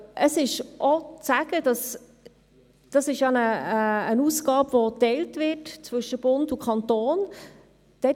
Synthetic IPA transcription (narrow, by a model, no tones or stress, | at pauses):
ʔəsɪʃʔɔt͡sæɡ̥əd̥ɑs | d̥ɑsɪʃjɑnəːnuːsɡ̥ɑːbvotɛltvɪtt͡svʏʃəb̥ʊndukʰɑntoːn | d̥ɛ